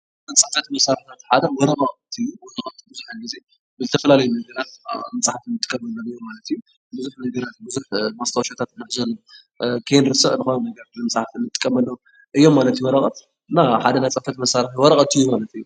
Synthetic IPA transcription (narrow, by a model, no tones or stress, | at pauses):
ɐt͡sʼɐfɐt̪mɐsaɾħt̪ʰat̪ħad̪ɐwɔɾɐʔʼaʔt̪ʰɨjːuont̪ʰːbɨzuħanɡize̞ | bɨzɨt̪ʰɐfɐlalɐjunɐɡɐɾat̪̚mɐt͡sʼaħat̪ɨnːɨt̪ʼɨ̥kʼːɐmɐlːɐmɨjːo̞mːalɐt̪ɨjːu | bɨzuħnɐɡɐɾat̪̚bɨzuħmast̪ʰɐwʃat̪ʰat̪ɨnːɨħzɐlːo | kʰenɾɨsɨʔnɨxonunɐɡɐɾalɨmɐsʼaħat̪ɨnːɨt̪ʼɨ̥kʼːɐmɐlːɐw | ʔɨjːo̞mːalɐt̪juwɔɾɐχʼɐt̪ | ɨnːaħad̪ɐnajt͡sʼɐfɐt̪mɐsaɾɨħwɔɾɐqʼɐt̪ɨjːumalɐt̪ɨjːu